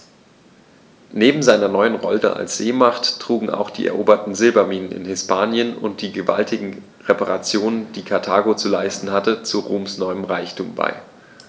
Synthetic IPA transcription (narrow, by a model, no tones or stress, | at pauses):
neːbm̩zaɪnɐnɔʏənʁɔltə̰ʔa̰lsz̥eːmaχttʁ̥uːɡŋ̩a̰ʊxd̥ḭːʔɛ̰ɐʔoːbɐtn̩zɪlbɐmiːnənɪ̰nhɪspʰaːnjənʊ̰nt̚d̥iːɡəva̰ltʰɪɡŋ̩ | ʁepaʁat͡sjoːnənd̥iːkʰaɐtʰaːɡot͡sulaɪstn̩hatət͡suʁoːmsnɔʏəmʁaɪçtʰuːmba̰ɪ